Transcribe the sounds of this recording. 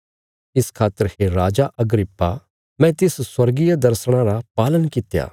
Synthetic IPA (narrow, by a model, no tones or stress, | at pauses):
ɪskʰaːt̪ːəɾheɾaːd͡ʒaʔɐɡɾɪpːa | mɛ̃ːt̪ɪsswɐɾɡijad̪ɐɾsɽ̃ãɾapaːlənkɪt̪ja̰ː